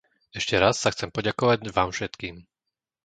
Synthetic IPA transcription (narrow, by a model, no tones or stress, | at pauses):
ɛʃcɛɾasːaxt͡sɛmpɔɟakɔʋaɟʋaːmfʃɛt̪kiːm